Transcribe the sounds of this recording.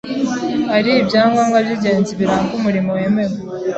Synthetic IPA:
aɾiːbjaːŋɡaŋɡaβjiɟeːnziβiɾaŋkumuɾimowememo

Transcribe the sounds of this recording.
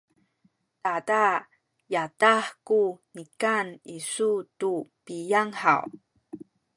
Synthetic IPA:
tada | jataħkunikanisutupijaŋħa̰w

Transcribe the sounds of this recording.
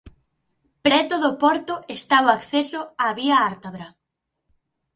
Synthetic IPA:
pɾɛt̪oðopɔɾt̪ʊest̪aβoakθesoaβiaaɾt̪aβɾa

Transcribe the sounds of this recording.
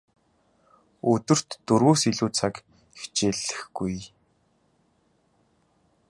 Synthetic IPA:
ɵt̪ɵ̆r̥t̪ːɵrɣuːsiɮuːt͡sʰak | e̥xt͡ɕeːɮɘ̆xɡ̥uj

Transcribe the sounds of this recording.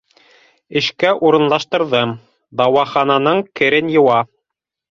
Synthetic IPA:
ɘ̆ʃkæʔuɾɤ̆nlˠɑʃt̪ɤ̆ɾðɤm | d̪ɑwɑχɑnɑnɤɴkɘ̆ɾɘnjɤ̆wɑ

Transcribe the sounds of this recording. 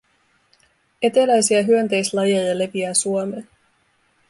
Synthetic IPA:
e̞t̪elæjsiæɦyønt̪e̞jslɑjɑjɑle̞ʋiæsuomeː

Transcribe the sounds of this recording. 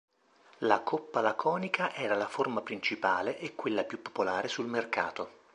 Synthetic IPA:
lakʰopːalakʰɔːnikʰaʔɛːɾalaformapɾint͡ʃipaːleʔekːwelːapjupːo̥polaːɾesulmerka̰ːt̪o

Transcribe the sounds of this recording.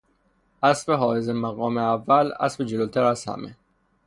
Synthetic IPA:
ʔæsbeɦɒːjezemæɣɒːmeævːælæ̰sbed͡ʒelot̪ʰæɾæz̥hæ̰me

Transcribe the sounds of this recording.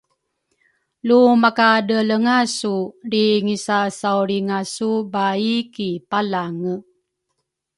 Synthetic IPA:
lumakadələŋasudiŋisasauɾiŋasubaikipalaŋə

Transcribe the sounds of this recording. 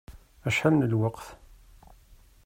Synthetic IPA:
æʃħalnəlwɑqθ

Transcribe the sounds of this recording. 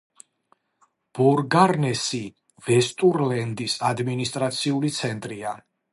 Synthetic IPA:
b̥ɔɾɡaɾnɛsi | v̥ɛst̪ʼuɾlɛnd̪isad̪minist̪ʼɾat̪sʰiulit̪sʰɛnt̪ʼɾia

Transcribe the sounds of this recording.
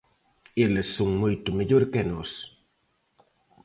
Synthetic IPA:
elesːoŋmojt̪ʊmeʎoɾkenos

